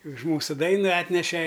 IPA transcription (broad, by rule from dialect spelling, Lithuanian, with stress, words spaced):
ʊʃ ˈmuːsʊ ˈdɐɪnɐ ˈɑːtʲnʲɛʃʲɛ